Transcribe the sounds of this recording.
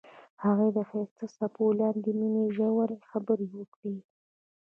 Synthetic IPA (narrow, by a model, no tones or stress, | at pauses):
haɣed̪əxast̪asapʰolɑnd̪emineʒawaɾexabəɾewəkɽi